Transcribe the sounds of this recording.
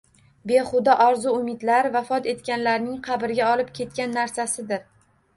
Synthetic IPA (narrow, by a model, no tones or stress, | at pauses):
be̞χʊd̪ɒʔɒɾzʊʊmɪd̪laɾvafɒt̪e̞t̪kʲanlaɾnɪŋqʰɑbɪɾɡʲaɒlɪpkʲʰe̞t̪̚kʲanːaɾsasɪd̪ɪɾ